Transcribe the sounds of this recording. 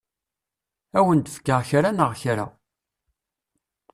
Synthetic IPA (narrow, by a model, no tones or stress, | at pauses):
æwənt̪əfkːəʁçɾanəʁçɾa̰